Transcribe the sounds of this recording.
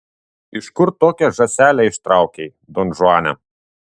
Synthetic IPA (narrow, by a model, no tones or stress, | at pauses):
ɪʃkʊɾt̪oːkʲɛʒɐsʲæːlʲɛɪʃt̪ɾɑˑʊkʲɛɪ | d̪onʒʊɑːnʲɛ̰